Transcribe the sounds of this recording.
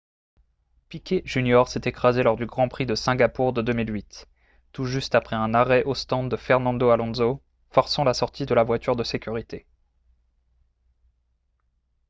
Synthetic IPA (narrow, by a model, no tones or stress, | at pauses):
pikʲeʒynjɔʁsɛt̪ekχazelɔʁd̪yɡʁɑ̃pχid̪əsɛ̃ɡʲapuʁd̪əd̪ømilɥit̪ː | uʒyst̪apχɛɛ̃naʁɛʔost̪ɑ̃d̪ːəfɛʁnɑ̃d̪oalɔ̃zo | fɔʁsɑ̃lasɔʁt̪ʰid̪əlavwat̪yʁd̪əsekʲyʁit̪e